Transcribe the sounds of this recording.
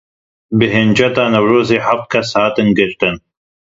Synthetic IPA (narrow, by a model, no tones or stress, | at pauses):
bɨɦɪnd͡ʒɐt̪ɑːnɐwɾoːziːħaft̪̚kʰɐshɑːt̪ɨnɡɪɾt̪ɨn